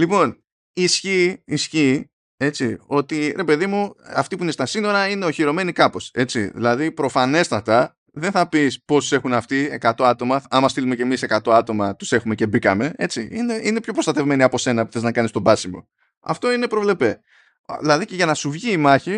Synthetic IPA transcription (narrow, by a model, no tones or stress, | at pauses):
lipo̞n | isçiːsçi | e̞t͡sio̞t̪iɾe̞pe̞ðimuɐft̪ipuine̞st̪ɐsino̞ɾɐine̞oçiɾo̞me̞nikɐpo̞se̞t͡siðḭlɐðipɾo̞fɐne̞st̪ɐt̪ɐ | ðenθɐpispo̞st̪u̥se̞xunɐft̪ie̞̰kat̪o̞ɐt̪o̞mɐɐmɐst̪ilume̞ce̞mise̞kat̪o̞ɐt̪o̞mɐt̪u̥se̞xume̞ce̞bikɐme̞e̞t͡siine̞inepço̞pɾostɐt̪e̞vme̞niɐpo̞se̞nɐpu̥θe̞znɐkɐnist̪o̞bɐsimo̰ | ɐ̰ft̪o̞ine̞pɾo̞vle̞pe̞ | ðilɐðice̞ʝɐnɐsuvʝiːmɐçi